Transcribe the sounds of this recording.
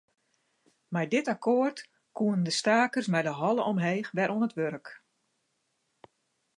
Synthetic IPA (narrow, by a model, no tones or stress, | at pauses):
mɛjdɪtakʰoːərt | kuəndəstaːkərsmɛjdəɦɔlˠəʔɔmɦeːxʋɛɾʔoənətʋøɾk